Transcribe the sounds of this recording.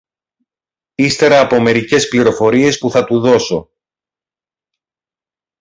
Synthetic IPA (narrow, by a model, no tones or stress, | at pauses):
ist̪e̞ɾɐːpo̞me̞ɾice̞spliɾo̞fo̞ɾie̞spuθɐt̪uðo̞so̞